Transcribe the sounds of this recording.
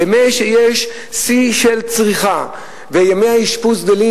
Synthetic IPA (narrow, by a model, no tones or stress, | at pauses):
emeʃejeʃ | siʃe̞lt͡sʁiχa | vejameaiʃpus̬d̪eli